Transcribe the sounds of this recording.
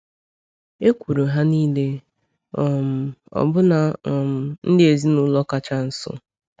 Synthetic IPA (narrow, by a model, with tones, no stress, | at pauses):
e˦kʷu˨ɾo˨ɦa˦niː˦le˦ | ɔ˨m̩˨ɔ̰˨bʊ˦na˨ɔ˨m̩˨n̩˦dɪ˦e˨zi˦nʊ˦lɔ˦ka˨t͡ʃa˦n̩˨sʊ̰˦